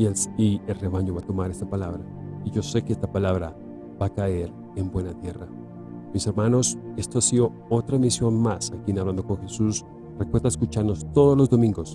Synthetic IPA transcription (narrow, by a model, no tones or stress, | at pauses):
ielsielre̞βaɲo̞βat̪o̞maɾe̞st̪apalaβɾa | iʝo̞se̞keest̪apalaβɾa | b̥akae̞ɾ | e̞mbwe̞nat̪je̞ra | mise̞ɾmano̞se̞st̪oasiðo̞ | ot̪ɾamisjo̞nmasakinaβland̪o̞koŋxe̞sus | rekwe̞ɾðaeskut͡ʃaɾno̞st̪o̞ð̞ozlo̞zd̪o̞mĩŋɡo̞s